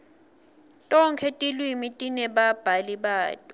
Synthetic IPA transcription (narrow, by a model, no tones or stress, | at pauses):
tʼɔŋkʰɛtʼilwimitʼinɛɓab̥ʱaliɓaːtʼɔ